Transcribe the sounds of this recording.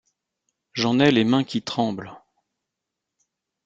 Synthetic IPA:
ʒɑ̃nɛlemɛ̃kʲit̪χɑ̃bl

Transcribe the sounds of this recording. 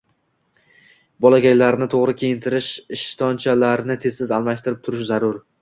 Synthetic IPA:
bɒlˠaɡʲajlaɾnɪt̪ʰoʁɾɪkʲʰejɪnt̪ʰɪɾɪʃɪʃt̪ʰɒnt͡ʃʰalaɾnɪt̪ʰe̞zsɪzalˠmaʃt̪ɪɾɪp̚t̪ʰʊɾɪʃzaɾʊɾ

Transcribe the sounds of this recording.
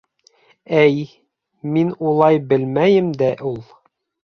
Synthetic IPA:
æj | minulˠɑjbɘ̆lmæjɘmd̪æʔulˠ

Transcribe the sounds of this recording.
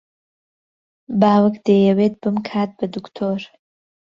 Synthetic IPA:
baːwɨkd̪eːjɐweːt̪̚b̥ɨmkʰaːt̪̚bɐd̪ukt̪ʰoːɾ

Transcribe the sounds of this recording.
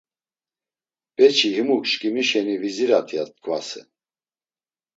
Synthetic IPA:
b̥ɛt͡ʃʰiɦimukʃkʼimiʃɛniviziɾat̪ʰijat̪̚kʰʼvasɛ̰

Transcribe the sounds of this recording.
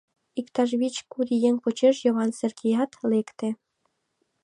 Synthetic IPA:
ikt̪ɑʒβit͡ɕkuɾijeŋpot͡ɕeʃjɤβɑnserkʰijɑt̪lekt̪e

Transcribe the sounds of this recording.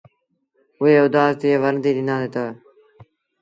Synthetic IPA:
ʊɦeːʊd̪aːzt̪ieːʋəɾnd̪iːɗɪnãːd̪eːt̪aː

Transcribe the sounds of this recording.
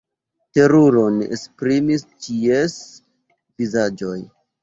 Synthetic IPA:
te̞ɾuɾo̞nespɾimist͡ʃies | vizad͡ʒo̞j

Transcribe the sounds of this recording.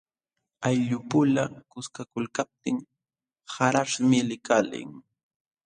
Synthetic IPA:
ajʎʊpʊlakʊskakʊlkap̚t̪ɪŋ | haɾaʂmɪlɪkalɪ̰ŋ

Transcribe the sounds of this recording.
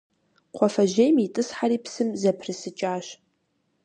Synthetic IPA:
qʷʰɔfɐʒejmitʼɨsħaɾiːpsɨmzɐpʰrɨsɨt͡ʃʼaːɕ

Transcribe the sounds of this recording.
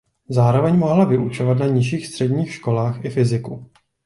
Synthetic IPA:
zaːɾo̞vɛɲmo̞ɦlavɪʔut͡ʃo̞vat̪naɲɪʃiːxst̪r̥ɛdɲiːxʃko̞laːxʔɪfɪzɪku

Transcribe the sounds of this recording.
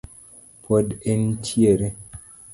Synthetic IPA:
podentʰjeɾe

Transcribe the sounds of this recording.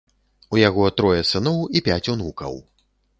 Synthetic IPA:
ujaɣɔt̪ɾɔjɛsɨnɔwipʲat͡sʲunukɐ̰w

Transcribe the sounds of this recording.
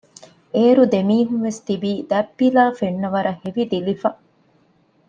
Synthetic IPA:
eːɾud̪emiːɦunʋest̪ibiːd̪æpːilaːfeɳːɐʋɐɾɐheʋid̪ilifɐ

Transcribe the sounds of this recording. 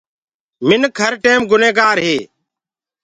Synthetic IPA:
mɪnkʰəɾʈeːmɡʊneːɡaːɾɦeː

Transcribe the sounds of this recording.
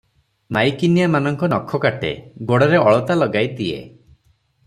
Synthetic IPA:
majkinijamanɔŋkɔnɔkʰːɔkaʈḛɡoɽɔɾeɔɭɔt̪alɔɡajd̪iḛ

